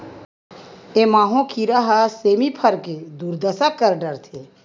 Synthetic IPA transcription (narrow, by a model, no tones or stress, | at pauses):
emaːɦõkʰiɾaɦaseːmipʰəɾked̪uːɾd̪əsap̚kəɾɖəɾt̪ʰe